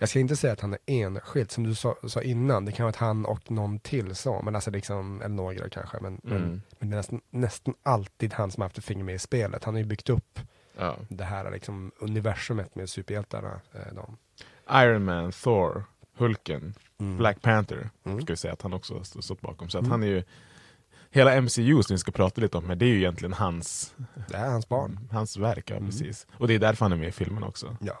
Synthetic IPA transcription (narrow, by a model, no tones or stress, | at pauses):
jɑːɡskaɪnt̪əsɛjːat̪hanæɾeːnɧɪld̪sɔmd̪ɵsɑsɑːʔɪnːand̪ɛkʰanɧəat̪hanɔ̰knɔnːt̪ʰɪlːsɑ̰ːmʔɛnalsɔlɪksɔmɛ̰lːəɳoːɡɾɑ̰kʰa̰nɧə̰mɛnmɛnmɛnd̪ɛnɛst̪anːɛst̪analt̪iːd̪hansɔmaɾhaft̪ɛfɪŋːəɾmɛɪspeːlʔə̰t̪hanhaɾjɵbʏkt̪ɵpː | ɑ̰ːd̪ɛɦæːɾa̰lɪ̰ksɔmɵnɪvæʂɵmət̪mɛsʉːpəɾjɛlt̪ʰa̰ɾə̰d̪ɔ̰m | ʔajənmænθoɾhɵlkə̰n | blækpʰænt̪ʰə̰ɾskavɪsɛjːa̰ːt̪hanɔksɔ̰st̪t̪ɔt̪̚ːbɑ̰ːkɔmsɔat̪hanæɾjɵ | heːlaɛmsiʉːsɔmvɪskapʰɾɑːt̪aliːt̪əɔmmæd̪ɛæjɵɪjɛnt̪lɪɡənɦansd̪ɛæɾhansbɑ̰ːɳhansvæɾkjɑ̰ːpɾɛsḭːsɔd̪ɛjd̪æɾfœɾhanæɾmeːɪfɪlmənɔ̰ksɔjɑː